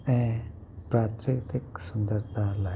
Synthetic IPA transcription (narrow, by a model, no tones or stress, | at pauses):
ɛ̃ | pɾaːt̪ʰɾikt̪iksʊnd̪əɾt̪ʰala